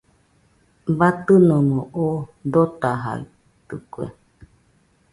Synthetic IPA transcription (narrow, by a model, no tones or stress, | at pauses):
βat̪ɨnõmõʔod̪ot̪aɦa̰i | t̪ɯkuḛ